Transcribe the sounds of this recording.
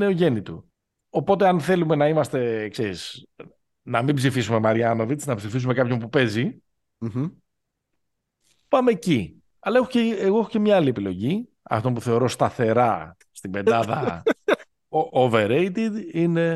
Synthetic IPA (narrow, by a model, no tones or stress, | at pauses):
neoʝe̞nit̪ṵ | o̞po̞t̪e̞ɐnθe̞lume̞nɐimɐst̪e̞kseɾis | nɐmibzifisume̞mɐɾiɐno̞vit͡snɐpsifisume̞kɐpço̞mpupe̞zi | pɐmeːci | ɐlɐexoceːɣo̞exo̞ce̞mɲɐlie̞pilo̞ʝi | ɐ̰ft̪o̞mpuθe̞o̞ɾo̞st̪ɐθe̞ɾɐ | st̪ibe̞nd̪ɐðɐ̰ | oveɾejt̪id̪ine̞